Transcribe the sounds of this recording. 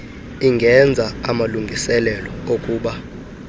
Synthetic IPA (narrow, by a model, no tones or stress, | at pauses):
iŋɡʱɛnd͡zʱaamaluŋɡʱisɛlɛlɔokʼuːɓa